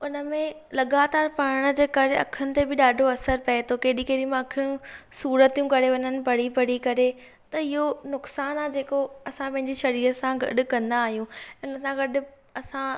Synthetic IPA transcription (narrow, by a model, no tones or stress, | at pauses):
ʊnə̆mẽ | lɐɡaːt̪aːɾpɐɽɪɽ̃ə̆d͡ʑeːkɐɾeɐ̰kʰənɪ̆t̪ebɪɗaːɖʱoɐsəɾpɐet̪ʰokeːɗĩkeːɗimẽɐkʰĩũsuːɾət̪ijũkɐɾeɐɲənɪ̆pɐɽ̤ipɐɽ̤ikɐɾe | t̪ɐɪɦonʊksaːnaːd͡ʑeːkoɐsãpɐ̃ɦɪ̃ɲd͡ʑiʃɐɾiːɾəsãɡɐ̰ɗʊ̆kɐ̃nd̪aːɦijũʊnəsãɡɐɗʊ̆ | ɐsã